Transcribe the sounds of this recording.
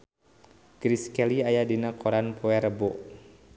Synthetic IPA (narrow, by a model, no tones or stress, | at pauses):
ɡ̥ɾiskɛliajadinakɔɾanpɔɛɾəbɔʔ